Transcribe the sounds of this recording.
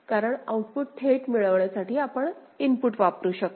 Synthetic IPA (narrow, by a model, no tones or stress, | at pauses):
kaɾəɳauʈ̚puʈ̚ʈʰeʈmiɭəʋɭjasaʈiːapəɳ | inpuʈʋapɾuːɕək̪